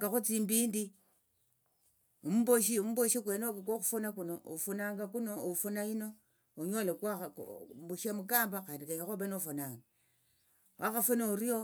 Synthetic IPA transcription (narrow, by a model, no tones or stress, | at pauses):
kaxot͡simbiːndi | umuboʃ̬iumuboʃikwenokak̬oxufonakunoo̰funaŋɡakunoofunaino̞ | oɲolekwa̰buʃamukaːmbakaːndikaɲoxobenofonaːŋɡa | wʔaxafonouɾio